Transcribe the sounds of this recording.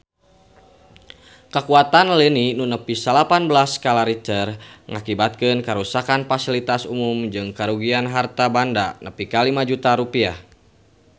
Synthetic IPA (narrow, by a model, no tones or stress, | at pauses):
kəkuat̪anlininunəpisəlapanbəlaskalaɾit͡ʃərŋakibat̪̚kɨnkəɾusakanfasilit̪asumumd͡ʒɨŋkaɾuɡianɦart̪abandanəpikalimad͡ʒut̪aɾupia̰h